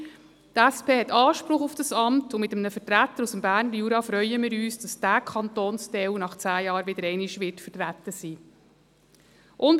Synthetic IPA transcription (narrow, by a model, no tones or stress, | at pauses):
tæspʰeːhɛtɑːʃpɾʊχufd̥ɑsɑmtʊmɪtəmnəfətɾæt̪ːəɾusəmbæːrnəɾjuːɾɑfɾœʏəmɪːɾyːsd̥ɑsd̥ækʰɑnt̪oːnstɛwnɑχt͡sæːjɑːɾʋɪd̥əɾɛɪnɪʃʋɪtfətɾætːəsiː | ʔʊn